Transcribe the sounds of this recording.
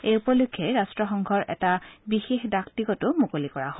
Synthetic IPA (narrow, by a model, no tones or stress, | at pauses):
ejupɔlukʰːeɹastɹɔxɔŋɡʱɔɹʔɛ̰tabixexdaktikɔtʊmukolikɔɹaɦo